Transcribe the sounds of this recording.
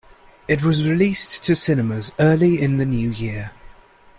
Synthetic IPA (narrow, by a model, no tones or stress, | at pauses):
ɪtwɒzɹɪliˑstʰəsɪnəməzɜːliɪ̃nðənjʉːjɪə